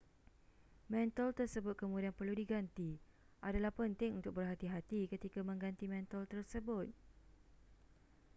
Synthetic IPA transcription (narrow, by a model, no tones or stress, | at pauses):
mɛ̃nt̪əlt̪ərsəbʊt̪̚kəmũdianpərludiɡant̪i | ʔadalahpənt̪ɪŋunt̪ʊk̚bərɦat̪iɦat̪ikət̪ikamə̃ŋɡant̪imɛ̃nt̪əlt̪ərsəbʊt̪̚